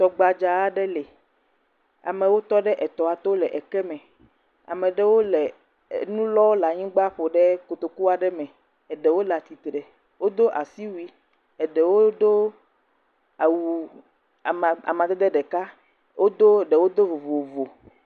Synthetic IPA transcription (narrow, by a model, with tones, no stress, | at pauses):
t̪ɔ˨ɡ͡ba˨d͡ʒa˨a˦ɖɛ˦lɛ˨ | a̰˨mɛ̃˨wo˦t̪ɔ˦ɖɛ˦ʔɛ˨t̪ɔ˨a˨t̪ɔ˦lɛ˨ʔɛ˨kɛ˦mɛ̃˨ | a̰˨mɛ̃˨ɖɛ˦wo˦lɛ˨ | nũ˦lɔ˦wla˨ɲĩ˦ɡ͡ba˦ɸo˨ɖɛ˦ko˨t̪o˨ku˦a˨ɖɛ˦mɛ̃˨ | ɛ˨ɖɛ˨wo˦la˨t̪i˨t̪ɾɛ˨ | wo˦d̪o˦ʔa˨si˦wi˦ | ɛ˨ɖɛ˨wo˦d̪o˦ | a˨wu˨ | a̰˨mã˨d̪ɛ˦d̪ɛ˦ɖɛ˨ka˦ | wʔo˦d̪o˦ɖɛ˨wo˦d̪o˦vo˨vo˨vo˨